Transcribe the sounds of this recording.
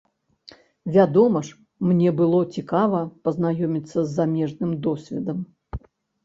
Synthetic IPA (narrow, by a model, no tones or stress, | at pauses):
vʲad̪ɔmɐʂ | mnʲɛbɨlˠɔt͡sʲikavɐpɐznajɔmʲit̪sːɐzːamʲɛʐnɨmd̪ɔsʲvʲɛd̪ɐm